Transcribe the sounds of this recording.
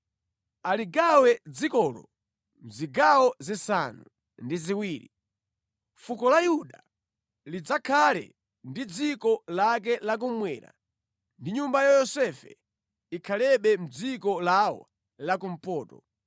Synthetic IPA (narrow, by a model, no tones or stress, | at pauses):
aliɡawɛd͡zikɔːlɔ̰ | m̩ziɡawɔzisanu | ndiziwiːɾḭ | fukɔlajuɗa | lid͡zakʰalɛ̰ | ndid͡zikɔlak̬ɛlak̬umwɛːɾa̰ | ndiɲumbajajɔsɛfɛ̰ | ikʰalɛɓɛm̩d͡zikɔlawɔ̰ | lakum̩pɔːtɔ